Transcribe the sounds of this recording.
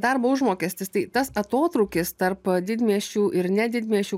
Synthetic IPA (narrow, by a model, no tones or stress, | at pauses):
d̪ɐɾboːʊʒmoːkʲɛːsʲt̪ʲɪst̪ɐɪt̪ɐsɐt̪oːt̪ɾɐʊkʲɪst̪ɐɾpd̪ʲɪd̪ʲmʲiɛʃʲuːʔɪɾnʲɛd̪ʲɪd̪ʲmʲiɛʃʲuː